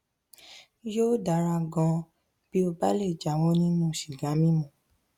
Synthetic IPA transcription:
joː˦da˨˦ɾa˧ɡɔ̃˧ | b̥i˦o˧ba˦le˦˨d͡ʒa˨˦˨w̃ɔ̃˦nĩ˦nũ˦˨ʃi˨ɡa˨˦mĩ˦mũ˨

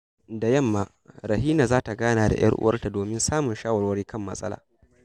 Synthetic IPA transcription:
da˨jɐ˦˨mːaː˨ | ɾɐ˨ɦiː˦naː˨zaː˦ta˨ɡaː˦naː˨da̰˨jɐ̰˦rʔʊ̰˦wɐ̰˦rta˨doː˨mɪ˦nsaː˦mʊ˨nʃaː˦wɐ˨ɾwɐ˦ɽiː˦kɐ˦mːɐ̰˦sʼɐ̰˦la̰ː˨

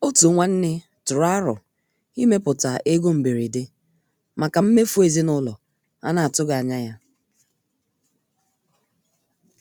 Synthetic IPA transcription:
o˦tu˨˦ŋʷa˦n̩˦nɪ˦ | tʊ˨ɾa˦ɾʊ̰˨ | i˦me˦pʊ˨ta˨ʔe˦ɡo˦m̩˨bi˨ɾi˨dɪ˦ | ma˨ka˨m̩˦me˦fu˦e˨zi˦nʊ˦lɔ˨ | a̰˦na˨a˨tʊ˦ɡa˨a˨ɲa˦ja˦

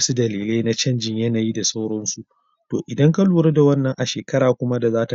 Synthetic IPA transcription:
su˦dɐ˨liː˨le˦na˦t͡ʃɐ˦nd͡ʒɪ˨ɲjɐ˦na˨jiː˦da˨sa˦wɽɔ˦nsu˦ʔ | to̰ː˨ʔɪ˨dɐ˦ŋka˦luː˨ɾe˦da˨wɐ˦nːɐ˨ŋʔa˨ʃeː˨kɐ˦ɾaː˨kʷʊ˦ma˦da˨zaː˦ta˨

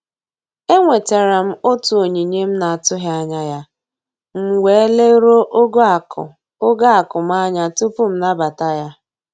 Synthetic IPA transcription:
e˦ŋʷe˨te˨ɾa˨m̩˦o˦tu˨o˨ɲi˨ɲe˦m̩˦na˨a˨tʊ˦ɦja˦ɲa˦ja˦ | m̩˦we˨e˦le˦ɾo˦ʔɡ | o˦ɡa˦a˨kʊ˨ma˦ɲa˨tu˦pʊ˦m̩˦na˦ba˨ta˦ja˦

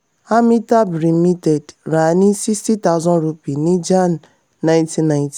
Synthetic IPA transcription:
a˦mi˦ta˦bɾi˨˦mi˦te˨dɾa˨ni˦si˦sti˦ta˦ʊ˦zɔ̃˦nɾu˦pi˨ni˦d͡ʒa˦nː | ã˨j̃nti˦na˨ɪ̃˦nti̥˨

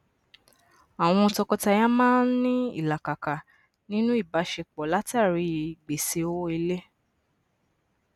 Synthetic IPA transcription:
a˨w̃ɔ̃˧ɔ˧tɔ˧kɔ˧ta˧ja˦mãː˦n̩˦nĩ˦ḭ˦˨la˨ka˨ka˨ | nĩ˦nũ˦i˦˨ba˨˦ʃe˧k͡pɔ˨la˨˦ta˦˨ɾi˨˧˦ɡ͡be˨se˧o˦i˧le˦

